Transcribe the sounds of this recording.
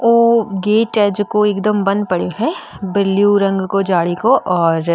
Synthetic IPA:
oːɡeːʈɛd͡ʒkoeːkd̪əmbɐ̃nd̪̚pɐɽjoɦɛ | bɪlːijuɾɐ̃ŋɡkod͡ʒaːɽikoʔɔːɾ

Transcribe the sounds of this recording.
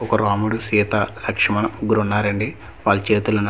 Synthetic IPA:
ɔkɐɾaːmuɽusiːt̪ɐlɐkʂɐmɐnuɡuɾunːaːɾɐɳɖi | ʋaːlt͡ʃeːt̪ulɐn

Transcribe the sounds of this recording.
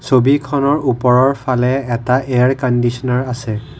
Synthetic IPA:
sobikʰɔnɔɹupɔɹɔɹpʰalɛːtaʔeaɹkɔndisɔnaɹasɛ

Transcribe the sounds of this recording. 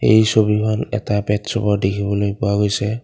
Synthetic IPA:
ḛjsobikʰɔnɛ̰tapɛtsɔbɔdekʰibɔlojpʊwaɡojsɛ

